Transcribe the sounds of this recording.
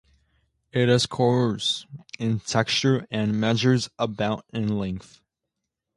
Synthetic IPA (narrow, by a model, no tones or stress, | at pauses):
ɪɾɨz̥kʰɔɹə˞z̥ɪ̃ntʰɛkst͡ʃə˞ɨ̃nmɛʒə˞zəbaʊɾɪ̃nlɛ̃ŋk̚θ